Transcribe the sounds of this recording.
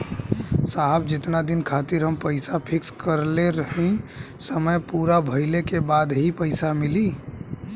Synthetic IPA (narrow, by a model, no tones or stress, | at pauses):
saɦb̚d͡ʒɪt̪nad̪ɪnkʰaːt̪iɾɦəmpəɪsapʰɪkskəɾleɾəɦĩsəməjpuːɾabʱəɪlekebaːd̪ɦipəɪsamɪli